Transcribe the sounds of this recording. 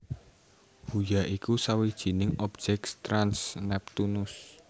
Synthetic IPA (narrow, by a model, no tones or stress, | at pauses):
hujaʔikusawid̥ʒ̥i̤nɪŋɔb̥̚ʒ̥ɛkst̪ɾansnɛp̚t̪unʊs